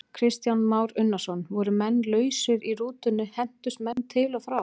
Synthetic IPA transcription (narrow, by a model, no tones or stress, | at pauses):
kʰɾɪst̪janmaːwɾʏnːḁsɔnvɔɾʏmɛnːlœːɥsɪɾiruːt̪ʏnːʏhɛn̥t̪ʏst̪mɛnːt̪ʰɪlafɾaw